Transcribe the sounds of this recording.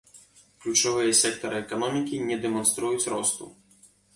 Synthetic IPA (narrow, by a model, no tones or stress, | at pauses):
klʲut͡ʂɔvɨjɐsʲɛk̚t̪ɐɾɨɛkanɔmʲikʲinʲɛd̪ɛmɔnst̪ɾujut͡sʲɾɔst̪ṵ